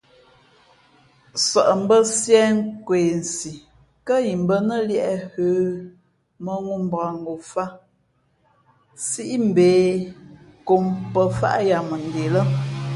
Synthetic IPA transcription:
sɔ˨ʔm̩˦bə˦sjɛ˦ŋ˦kweː˨n̩˨si˨ | kə˦ji˨m˦bə˦nə˦ljɛ˦ʔɛ˦høː˨˦ | mə˦ŋu˦m˦ba˨ŋ˦ɡo˨fa˦ | si˦ʔi˦m̩˨beː˨˦ | ko˨mpə˦fa̰˦ʔja˨mə˨n˨de˨lə˦˨

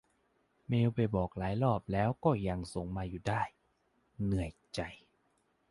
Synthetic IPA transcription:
meː˧wpa˧˩jbɔː˨˩k̚laː˩˦jlɔː˥˩p̚lɛː˦˥wkɔː˥˩ja˧ŋso˨˩˦ŋmaː˧juː˨˩daː˥˩j | nɯ˨˩əjt͡ɕa˨˩j

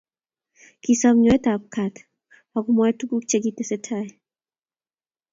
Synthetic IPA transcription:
ki˨sɔ˦mɲɔ˨ɛ˦ta˨p̚kʰa˨t | pa˨ku˨mɔ˨ɛ˦tu˦ku˦k̚t͡ʃe˦k̬i˦tɛ˨sɛ˦tʰa˨j

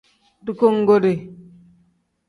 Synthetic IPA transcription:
du˦˨ko˦ŋ˦ɡo˦de˨

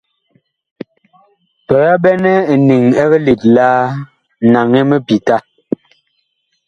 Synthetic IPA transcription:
pɛ˨a˦bɛ˦nɛ˦˨ni˨ŋɛ˦ɣɛ˦li˨t̚laː˦ | na˨ŋe˦mə˦pi˨ta˦

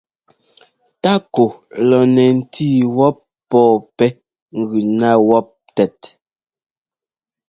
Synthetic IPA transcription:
ta˦ko˨lɔ˨nɛ˨n̩˦tʰiː˦wɔ˦p̚ːɔː˦˨pɛ˦ | ŋ̩˨ɡʉ˨na˦wɔ˦p̚tɛ˨t̚

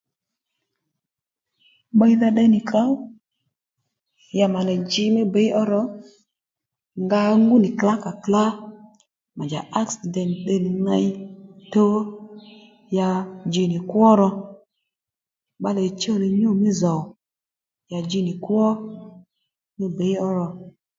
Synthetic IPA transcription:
ɓa˦i˦ða˧ɗɛ˧ni˨ka˦w | ja˨ma˨lɛ˨d͡ʒi˧mi˦be˨˦ʔɔ˦ɾɔ˦ | ŋɡa˧˦ŋɡu˦ni˨kla˦ka˨kla˦ | ma˨d͡ʒa̰˨ʔa˦ksi˨dɛ˨nɗɛ˧ni˨na˧i˦to˦ | ja˧d͡ʒi˧ni˨kwɔ˦ɾɔ˧ | ɓa˦lɛ˨t͡ʃɔ˦˨ni˨ɲo˦˨mi˦zɔ˨w | ja˨d͡ʒi˦ni˨kwɔ˦ | mi˦be˨˦jɔ˦ɾɔ˧

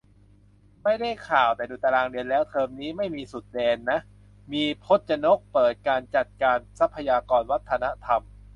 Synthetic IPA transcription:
ma˥˩jda˥˩jkʰaː˨˩wt̪ɛː˨˩duː˧˩t̪a˧ɾaː˧ŋɾi˧ənlɛː˦˥wt̪ʰɤː˧mniː˦˥ma˥˩jmiː˧su˨˩t̪̚dɛː˧nːa˦˥ʔ | miː˧pʰo˦˥t̪̚t͡ɕa˧no˦˥k̚pɤː˨˩t̪̚kaː˧nt͡ɕa˨˩t̪̚kaː˧nsa˦˥pʰːa˧jaː˧kɔː˧nwa˦˥t̪ʰːa˧na˦˥t̪ʰa˧m

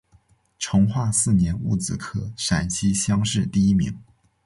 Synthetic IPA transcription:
ʈ͡ʂʰʊ˧˥ŋxwa˥˧sɹ̩˥˩njɛ˧˥nu˥˩t͡sɹ̩˨˩kʰɤ˥˩ʂa˨˩nt͡ɕʰi˥ɕjɑ˥ŋʂɻ̩˥˧t̪i˥˩i˥mḭ˧˥ŋ

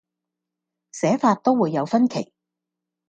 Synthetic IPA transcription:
sɛː˨˥faː˧t̚t̪o˥wwuː˨˧jːɐ˨˧wfɐ˥nkʰḛ˨˩j

